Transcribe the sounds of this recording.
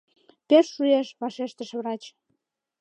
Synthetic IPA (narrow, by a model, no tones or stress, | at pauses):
peʃːueʃβɑʃeʃt̪əʃβɾɑt͡ɕ